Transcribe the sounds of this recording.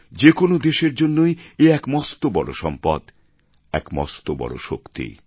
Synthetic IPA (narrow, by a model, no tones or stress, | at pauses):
d͡ʑekonod̪eʃeɾd͡ʑonːojeɛkmɔst̪obɔɽoʃɔmpa̰d̪ | ɛ̰kmɔ̰st̪obɔ̰ɽo̰ʃokt̪ḭ